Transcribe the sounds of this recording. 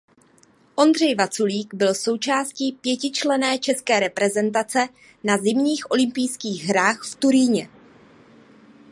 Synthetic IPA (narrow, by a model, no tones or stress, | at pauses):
ʔo̞nd̪r̝ɛjvat͡suliːɡbɪlso̞wt͡ʃaːsciːpjɛcɪt͡ʃlɛnɛːt͡ʃɛskɛːɾɛpɾɛzɛnt̪̬at͡sɛ | nazɪmɲiːxʔo̞lɪmpɪjskiːɣɦɾaːxft̪uɾiːɲɛ